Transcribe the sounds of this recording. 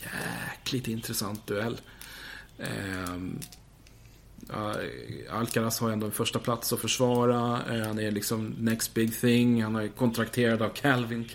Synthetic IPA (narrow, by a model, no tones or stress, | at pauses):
jæ̰ːkʰlɪɡt̪ɪnt̪ɾɛsant̪̚d̪ɵɛlː | a̰lkaɾashaɾɛnd̪oːɛnfœʂʈapʰlat̪sɔfœʂvɑːɾahanæɭɪksɔmnɛkst̪̚bɪɡθɪŋːhanhaɾkʰɔnt̪ʰɾakt̪ʰeːɾad̪avkʰɛlvɪn